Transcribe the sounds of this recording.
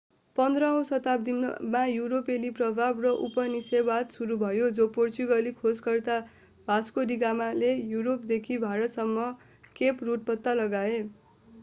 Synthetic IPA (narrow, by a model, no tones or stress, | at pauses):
pʌnd̪rʌɦʌ̃w̃sʌt̪ap̚d̪imajuɾopeliprʌbʱabrʌʔupʌnisebat̪suɾubʱʌjod͡zoport͡suɡʌlikʰod͡zɡʌrt̪a | bʱaskoɾiɡamalejuɾop̚d̪ekʰibʱaɾʌt̪sʌmːʌ | kepruʈ̚pʌt̪ːalʌɡae